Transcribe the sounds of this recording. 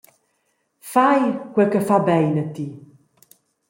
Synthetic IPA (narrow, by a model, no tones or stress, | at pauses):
fajɡ̥wɛkəfabɛjnətʰi